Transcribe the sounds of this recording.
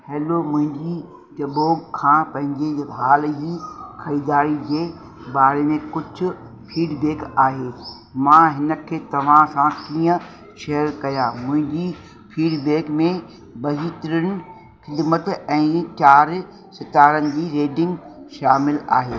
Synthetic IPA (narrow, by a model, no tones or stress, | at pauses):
heːlomʊ̃ɦɪ̃ɲd͡ʑi | tɐboːɡkʰãːpɐ̃ɦɪ̃ɲd͡ʑeɦaːld͡ʑiːkʰɐiːd̪aːɾid͡ʑeː | baːɾemẽkʊd͡ʑʱʊ̆ | fʰiːɖbeːkaːɦeː | mãɦɪnə̆kʰeːt̪ɐʋ̤ãsãkiːə̃ | ʃɐɦəɾkɐjaːmʊ̃ɦɪ̃ɲd͡ʑi | fʰiːɖbeːkmẽ | bɐɦiːt̪ɪɾəñɪ̆ | xɪd̪mət̪ɛ̃ːt͡ɕaːɾ | sɪt̪aːɾənɪ̆d͡ʑiːɾeːɖɪ̃ŋɡʃaːmɪla̰ːɦeː